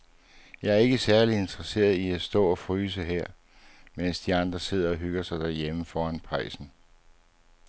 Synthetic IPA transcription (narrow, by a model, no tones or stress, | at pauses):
jɑ̈æɐe̝ɡ̥əsæɐlie̝nd̥ʁɐse̝̰ːɐð̩ˠiæsd̥ɔ̰̽ːɒ̽fʁyːs̬əɦeɐ̰ | men̰sd̥iɑ̈nd̥ʁɐse̝ð̰ˠɐɒ̽ɦyɡ̥ɐsɑ̈ɪd̥æɐjeməfɒːænpʰɑ̈ɪsn̩